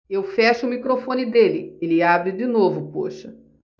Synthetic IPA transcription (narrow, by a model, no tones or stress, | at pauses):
ewfɛʃʊmikɾofõnɪd̪elɪelɪabɾɪd͡ʒɪnovʊpoʃɐ